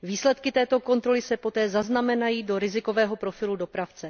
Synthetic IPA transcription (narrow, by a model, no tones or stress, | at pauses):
viːslɛt̪kɪt̪ɛːt̪o̞ko̞nt̪ɾo̞lɪsɛpo̞t̪ɛːzaznamɛnajiːdo̞ɾɪzɪko̞vɛːɦo̞pɾo̞fɪludo̞pɾaft͡sɛ